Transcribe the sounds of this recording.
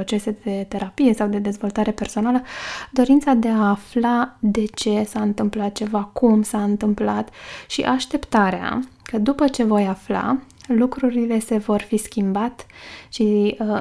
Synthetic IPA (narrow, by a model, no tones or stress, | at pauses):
ot͡ʃe̞se̞d̪e̞t̪e̞ɾapije̞sawd̪e̞d̪e̞zvo̞lt̪aɾe̞pe̞rso̞naləd̪o̞ɾint̪sad̪e̞aːflad̪e̞t͡ʃe̞saɨnt̪ɨmplat̪̚t͡ʃe̞vakumsaɨnt̪ɨmplat̪ʃḭʔaʃt̪e̞pt̪aɾea̰kəd̪upət͡ʃe̞vo̞jafla̰ | lukɾuɾile̞se̞vo̞rfiskʲimbat̪ʃi